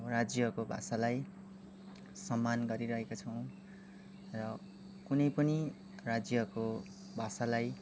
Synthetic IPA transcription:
rad͡zjʌkobʱa̰salaj | sʌmːanɡʌɾiɾʌɦekot͡sʰʌw̃ | rʌ | kunʌjpʌni | rad͡zjʌko | bʱasalaj

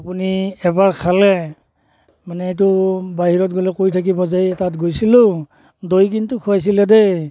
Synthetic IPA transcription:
apuniɛbaɹkʰalɛ | manɛet̬ʊbaɦiɹɔtɡɔlɛkoɹitʰak̬ibɔzajɛtatɡojsilʊ | dojk̬intukʰuajs̬ilɛdej

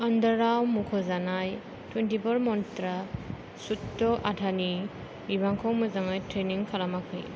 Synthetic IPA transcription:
andaɾawmukʰɔzanaj | twentibɔɾmɔntɾa | sutːɔʔadʰani | ibaŋkʰɔŋmɯzaŋajtɾeniŋkʰalamakʰɯj

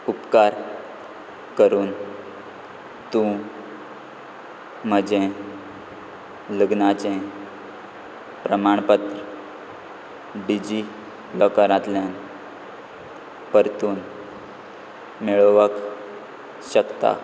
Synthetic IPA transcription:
upkaɾ | kəɾuːn | t̪ũ | m̤əd͡ʑẽ | ləɡnat͡ɕẽ | pɾəmaɳpət̪ɾə | ɖid͡ʑi | lɔkaɾãt̪ljan | pəɾt̪uːn | meɭəʋək | ɕəkt̪a̰

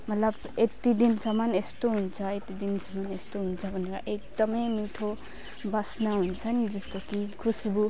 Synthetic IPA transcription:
mʌt̪ləb | et̪id̪insʌmʌnest̪oɦunt͡sʰʌet̪id̪insʌmʌnest̪oɦunt͡sʰʌbʱʌnka̰ʔekd̪ʌmemiʈʰo | basnaɦunt͡sʰʌnd͡ʒʌst̪okikʰusbu

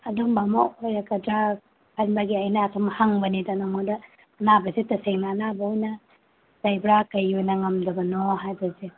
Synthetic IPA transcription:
adɔmbamoʔɔjakadɾa | pʰanbaɡiajnaːtʰɔmhaŋbɐnidanɔmodɐː | nabɐzetɐseŋnaːnabɐɔjnɐ | d̥ajbɾakɐjojnɐŋɐmdɐbɐnɔɦajbɐze

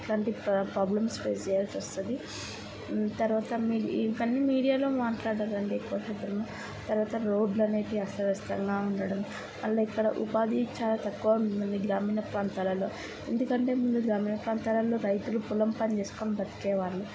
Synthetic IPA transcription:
ɐʈlaːɳʈipɾaːblɐmsped͡ʒijɐlsɐst̪und̪i | t̪ɐɾuʋaːt̪ɐmikɐnːimiːɽijaːloːmaːʈlaːɽɐlɐɳɖiːkːuʋɐʃɐd̪ɐmu | t̪ɐɾʋaːt̪ɐɾo̞ːɖlɐneːʈiɐsɐɾɐst̪ɐŋɡaːuɳɖɐɽɐm | mɐɭːɐikːɐɽɐ̰ʔupaːd̪it͡ʃaːlaːt̪ɐkːuʋɐuniɡɾaːmiːnɐpɾaːnt̪aːlɐlo̞ː | e̞nd̪ukɐɳʈe̞ːmulːuɡɾaːmiːnɐpɾaːnt̪aːlɐlo̞ːɾɐjt̪ulupulɐmpɐnt͡ʃeːsu̥koːnɐbɐt̪i̥kɛːʋaːɾːu

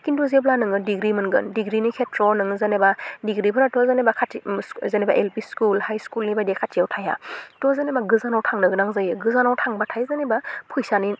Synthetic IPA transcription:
kindɔzeblanɯŋɯdiɡɾimɯnɡɯ̰ndiɡɾinikʰetɾɔnɯŋɯzanebadiɡɾipʰɯɾatʰɔzanebakʰatizaneba̰ʔelpiskulhajskulnibajdekʰatʰiawtʰaja̰tɔzanebaɡɯzanawtʰaŋnɯɡɯnaŋzajɯɡɯzanawtʰaŋbatʰajzanebapʰujsani

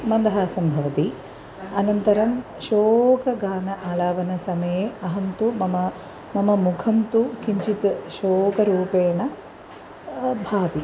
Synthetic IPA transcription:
mɐnd̪ɐɦaːsɐmbʱɐʋɐt̪i | ɐnɐnt̪ɐɾɐm | ʃoːkɐɡaːnɐʔaːlaːʋɐnɐsɐmɐjeɐɦɐnt̪umɐmɐ | mɐmɐmukʰɐnt̪ukiɲt͡ʃit̪ʃoːkɐɾuːpeːɳɐ | bʱaːd̪i

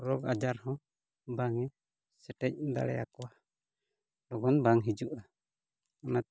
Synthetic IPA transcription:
ɾɔɡad͡ʒaɾhɔ̃ | baŋɛ | sɛʈɛc̚d̪a̰lɛ̰a̰kɔwa | lɔɡɔnbaŋɦid͡ʒuʔa | ana

